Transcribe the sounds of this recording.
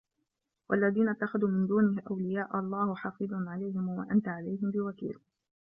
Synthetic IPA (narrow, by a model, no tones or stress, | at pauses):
wʔa̰lːaðiːnat̪ːaxaðuːmɪnd̪uːnɪhʔawlɪjaːʔɑlˤːɑːhħɑfɨd̪ˤnʕalajɦɪmwa̰ʔant̪aʕalajɦɪmbɪwakḭːl